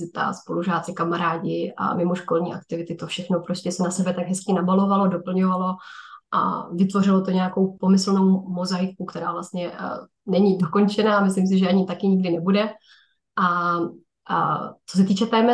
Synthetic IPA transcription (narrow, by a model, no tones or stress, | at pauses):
ɪt̪a̰spo̞luʒaːt̪t͡sɪkamaɾaːɟɪa̰mɪmo̞ʃko̞lɲiːʔa̰k̚t̪ɪvɪt̪ɪt̪o̞fʃɛxnopɾo̞scɛsɛnasɛbɛt̪aɡɦɛskɪnabalo̞valodo̞pl̩ɲovalo̞ʔa̰vɪt̪vo̞rɪlot̪o̞ɲɛako̞wpo̞mɪsl̩no̞wmo̞zaɪkukt̪ɛɾaːvlast̪ɲɛ | nɛɲɪdo̞ko̞nt͡ʃɛnaːmɪslims̬ɪʒɛaɲɪt̪akɪɲɪɡdɪnɛbudɛ | ʔa | t͡sos̬ɛt̪iːt͡ʃɛt̪ɛːmɛ